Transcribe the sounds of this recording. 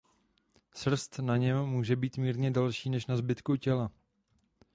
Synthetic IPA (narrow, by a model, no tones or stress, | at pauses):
sr̩st̪naɲɛmːuːʒɛbiːt̪miːɾɲɛdalʃiːnɛʃnazbɪt̪kucɛla